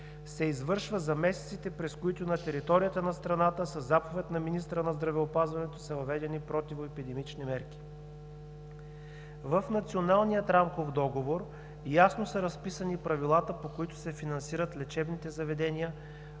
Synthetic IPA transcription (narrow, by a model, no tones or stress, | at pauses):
sɛizvɤɾʃvəzɐmɛsɛt̪sit̪ɛpɾɛskoit̪ʊnɐt̪ɛɾit̪ɔɾijət̪ənɐst̪ɾɐnat̪əsəzapovɛt̪nɐminist̪ɾənɐzd̪ɾɐvɛopazvɐnɛt̪osɐvɐvɛd̪ɛnipɾɔt̪ivoɛpid̪ɛmit͡ʃnimɛɾki̥ | vəfnɐt̪sionalˠnijət̪ɾamkofd̪ɔɡovoɾ | jasnosɐɾɐspisənipɾɐvilˠat̪əpokoit̪ʊ̥sɛfinɐnsiɾət̪lɛt͡ʃɛbnit̪ɛzɐvɛd̪ɛniə